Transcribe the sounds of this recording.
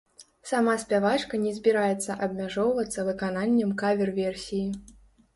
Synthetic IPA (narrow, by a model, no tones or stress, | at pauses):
samasʲpʲavat͡ʂkɐnʲɛzʲbʲiɾajɛt̪sːɐʔɐbmʲaʐɔwvɐt̪sːɐvɨkananʲːɛmkavʲɛrvʲɛrsʲiji